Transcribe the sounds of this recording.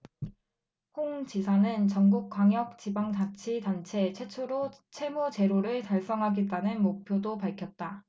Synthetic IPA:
hoŋt͡ɕisʰanɯnt͡ɕʌŋɡuk̚k͈waŋjʌk̚t͡ɕibaŋtat͡ɕʰidant͡ɕʰe̞t͡ɕʰe̞t͡ɕʰoɾot͡ɕʰe̞mut͡ɕe̞ɾoɾɯɭtaɭs͈ʌŋɦaɡit͈anɯnmok̚pʰjodopaɭkʰjʌt̚t͈a

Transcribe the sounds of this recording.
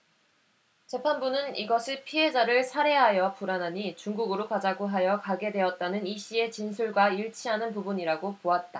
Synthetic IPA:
t͡ɕepʰanbunɯniɡʌsʰipʰiɦe̞d͡ʑaɾɯɭsʰaɾe̞ɦajʌpuɾanɦaɲit͡ɕuŋɡuɡɯɾokad͡ʑaɡoɦajʌkaɡe̞dwe̞ʌt̚t͈anɯniɕ͈ie̞t͡ɕinsʰuɭɡwaiɭt͡ɕʰiɦanɯnpubuɲiɾaɡopoat̚t͈a

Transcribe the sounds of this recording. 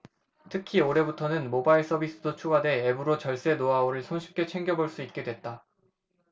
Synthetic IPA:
tʰɯkʰioɾe̞butʰʌnɯnmobaiɭs͈ʌbis͈ɯdot͡ɕʰuɡade̞ːbɯɾot͡ɕʌɭs͈e̞noaoɾɯɭsʰonɕʰi̥p̚k͈e̞t͡ɕʰe̞ŋɡjʌboɭs͈uit̚k͈e̞dwe̞t̚t͈a

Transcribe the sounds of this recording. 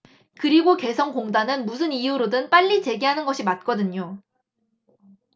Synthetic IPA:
kɯɾiɡoke̞sʰʌŋkoŋdanɯnmus̬ʰɯnijuɾodɯnp͈aʎːit͡ɕe̞ɡiɦanɯnɡʌɕʰimat̚k͈ʌdɯɲo

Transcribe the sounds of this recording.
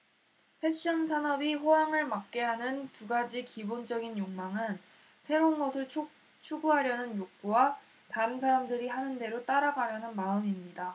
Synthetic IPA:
pʰe̞ɕ͈ʌnsʰanʌbiɸojaŋɯɭmak̚k͈e̞ɦanɯntuɡad͡ʑikibond͡ʑʌɡinjoŋmaŋɯn | sʰe̞ɾonɡʌsʰɯɭʰ | t͡ɕʰuɡuɦaɾjʌnɯnjok̚k͈uwa | taɯnsʰaɾamdɯɾiɦanɯnde̞ɾot͈aɾaɡaɾjʌnɯnmaɯmimɲida

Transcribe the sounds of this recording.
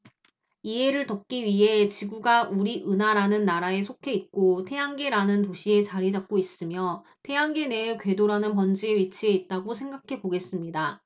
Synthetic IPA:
ie̞ɾɯɭtʌp̚k͈iɥiɦe̞t͡ɕiɡuɡauɾiʔɯnɦaɾanɯnːaɾae̞sʰokʰe̞it̚k͈otʰe̞jaŋɡe̞ɾanɯntoɕʰie̞t͡ɕaɾid͡ʑak̚k͈ois͈ɯmjʌ | tʰe̞aŋɡe̞ne̞ɭkɥe̞doɾanɯnpʌnd͡ʑieɥit͡ɕʰie̞it̚t͈aɡosʰe̞ŋɡakʰe̞boɡe̞s͈ɯmɲida

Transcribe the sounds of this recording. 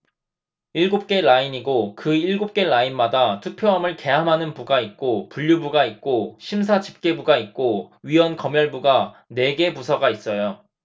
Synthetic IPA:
iɭɡup̚k͈e̞ɭaiɲiɡokɯiɭɡup̚k͈e̞ɭainmadatʰupʰjoɦamɯɭke̞ɦamɦanɯnpuɡait̚k͈opuʎːubuɡait̚k͈oɕʰims̬ʰad͡ʑi̥p̚k͈e̞buɡait̚k͈oɥiwʌnkʌmjʌɭbuɡa | ne̞ɡe̞pusʰʌɡais͈ʌjo

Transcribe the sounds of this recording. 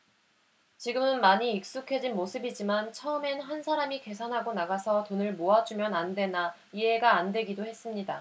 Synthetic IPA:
t͡ɕiɡɯmɯnmaɲiːk̚s͈ukʰe̞d͡ʑinmosʰɯbid͡ʑimant͡ɕʰʌɯme̞nɦansʰaɾamike̞sʰanɦaɡonaɡasʰʌtonɯɭmoad͡ʑumjʌnandwe̞na | ie̞ɡaːndwe̞ɡidohe̞s͈ɯmɲida

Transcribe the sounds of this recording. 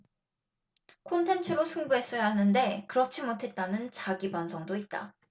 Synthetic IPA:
kʰontʰe̞nt͡ɕʰɯɾosʰuŋbuɦe̞s͈ʌjaɦanɯnde̞kɯɾʌt͡ɕʰimotʰe̞t̚t͈anɯnt͡ɕaɡibansʰʌŋdoit̚t͈a̰

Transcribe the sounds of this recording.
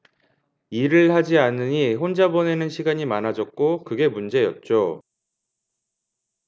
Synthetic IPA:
iɾɯɭhad͡ʑianɯɲiɸond͡ʑabʌne̞nɯnɕʰiɡaɲimanɦad͡ʑʌt̚k͈okɯɡe̞mund͡ʑe̞jʌ̰t̚t͡ɕ͈o

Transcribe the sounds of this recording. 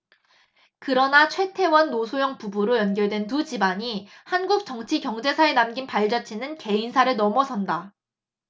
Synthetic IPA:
kɯɾʌnat͡ɕʰwe̞tʰe̞wʌnːosʰojʌŋpubuɾojʌnɡjʌɭdwe̞ntud͡ʑibaɲihanɡuk̚t͡ɕʌŋt͡ɕʰikjʌŋd͡ʑe̞sʰaenamɡinpaɭd͡ʑʌt͡ɕʰinɯnke̞insʰaɾɯɭnʌmʌsʰʌnda

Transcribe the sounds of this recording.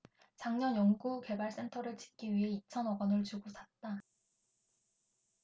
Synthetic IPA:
t͡ɕaŋɲʌnjʌŋɡuke̞baɭs͈e̞ntʰʌɾɯɭt͡ɕi̥k̚k͈iɥiɦe̞it͡ɕʰʌnʌɡʌnɯɭt͡ɕuɡosʰat̚t͈a

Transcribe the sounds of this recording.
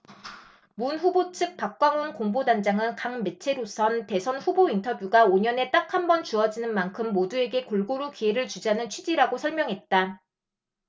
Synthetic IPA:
munɸubot͡ɕʰɯk̚p͈ak̚k͈waŋonkoŋbodand͡ʑaŋɯnkaŋme̞t͡ɕʰe̞ɾosʰʌnte̞sʰʌnɸubointʰʌbjuɡaoɲʌne̞t͈akʰhambʌnt͡ɕuʌd͡ʑinɯnmankʰɯmːodue̞ɡe̞koɭɡoɾukie̞ɾɯɭt͡ɕud͡ʑanɯnt͡ɕʰɥid͡ʑiɾaɡosʰʌɭmʲjʌŋɦe̞t̚t͈a

